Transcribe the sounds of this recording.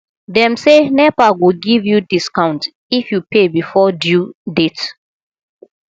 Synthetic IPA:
dɛ̃msenɛpaɡoɡivjudiskãʊ̃nt | ifjupebifɔdjudet

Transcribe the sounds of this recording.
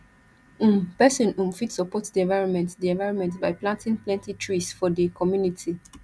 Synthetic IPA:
ũmpɛsɔ̃nũmfitsɔpɔtdiɛ̃nvaɪɹɔ̃nmɛ̃ntdiɛ̃nvaɪɹɔ̃nmɛ̃ntbaɪplãntĩŋplɛ̃ntitʰɹisfɔdəkʰɔmjunitʰi

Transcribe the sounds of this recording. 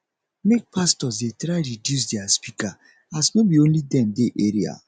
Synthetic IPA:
mek̚pastɔs̬detɾaɪɾidjus̬diaspika | asnobiõnlidɛmdeʔeɾia̰

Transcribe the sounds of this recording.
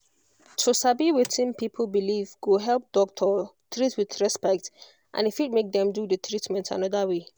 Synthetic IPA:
tʰusabiwitĩnpʰipʰəl̩ˠbilivɡoɦɛlˠp̚d̥ɔk̚tʰɔ | t̪ɹitwɪðɹɛspɛk̚t | ʔã̰nɪfit̚mek̚dɛ̃mdudət̪ɹitmɛ̃ntã̰nɔðəwe

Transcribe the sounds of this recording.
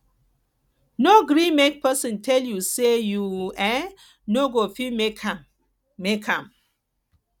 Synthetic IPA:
noɡɾimek̚pɛsĩntʰɛljusejuɛ | noɡofimek | mekʰãm

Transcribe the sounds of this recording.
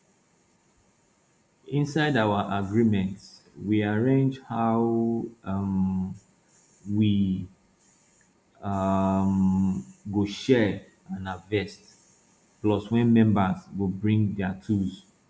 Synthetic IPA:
ĩnsaɪdawaʔaɡɹimɛ̃nts | wiaɹẽnd͡ʒhaʊ | m | wi | m | ɡoʃɛ | ãnavɛst | plɔswɛ̃nmɛ̃mbazɡobɹĩŋdɛatʰuz

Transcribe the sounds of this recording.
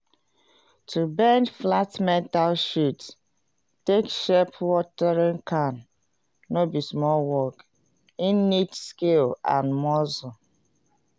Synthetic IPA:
tubɛ̃nd͡ʒflatmɛ̃ntalʃut | tekʃɛpwɔtɛɹĩŋkʰãnː | obismɔlwɔk | inːitskelã̰nmɔzɔ

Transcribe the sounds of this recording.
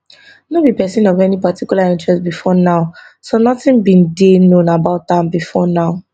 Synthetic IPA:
nɔbipɛsĩnɔvɛnipatʰikjulaĩntɹɛstbifɔnaʊ | sonɔtĩnbĩndenõnabaʊt̚ãbifɔnaʊ

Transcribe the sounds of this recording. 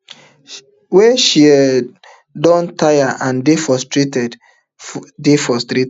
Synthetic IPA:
wɛʃiɛ | dɔ̃ntajaʔãndefɔstɾetɛd | defɔstɾet

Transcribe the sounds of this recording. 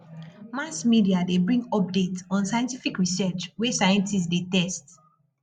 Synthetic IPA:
masmidiadebɹĩŋɡɔp̚detɔ̃nsajɛ̃ntifikɹisɜt͡ʃwɛsajɛ̃ntistdetɛst

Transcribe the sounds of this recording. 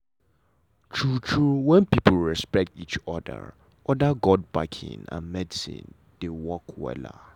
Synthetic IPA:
tʰɹutʰɹuwɛ̃npipʰlɹɛspɛk̚tit͡ʃɔdə̰ | ɔdaɡɔd̚bakʰḭ̃nã̰nmɛdisḭ̃n | d̥ewɔkʰwɛ̰la̰

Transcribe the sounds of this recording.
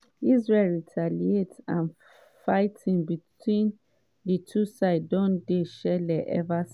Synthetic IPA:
izɹelɹitʰalietãn | faɪtʰĩŋbitwĩn | dətʰusaɪdɔ̃ndeʃɛlɛʔɛ̰vas

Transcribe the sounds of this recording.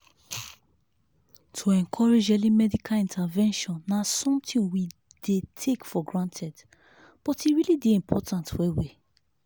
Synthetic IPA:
tʰoɛ̃nkʰɔɹed͡ʒɛlimɛdikʰalĩntʰavɛ̃nʃɔ̃nːasɔ̃mtʰĩnwi | detʰekfɔɡɹãntʰɛd | b̥ɔtiɹilideĩmpʰɔtʰãntwɛwi

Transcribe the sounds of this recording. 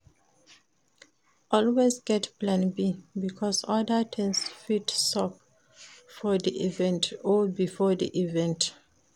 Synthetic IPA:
ʔɔlwezɡɛtplãnbibikʰɔsɔdətʰɛ̃nsfitsɔp̚ | fɔd̪iʔivɛ̃ntɔbifɔd̪ḭʔivɛ̃nt

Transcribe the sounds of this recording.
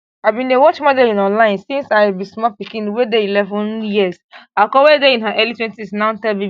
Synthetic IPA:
avbĩnewɔt͡ʃmadelĩnɔ̃nlãɪ̃nsĩnsabĩsmɔpikĩnwedeilɛvɔ̃njiəsakɔwedeĩnɦaʔɛlitwɛ̃ntisnãʊ̃ntɛlbĩ

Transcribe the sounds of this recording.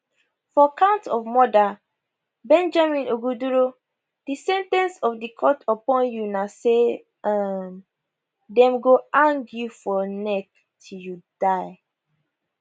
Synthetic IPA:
fɔakãʊ̃ntɔvmɔda | bɛ̃nd͡ʒamĩnoɡuduɹo | d̥isɛ̃ntɛ̃nsɔfdikʰɔtɔpɔ̃njunase | am | dɛ̃mɡoãŋɡjufɔnɛk̚ | tʰiljud̥aɪ

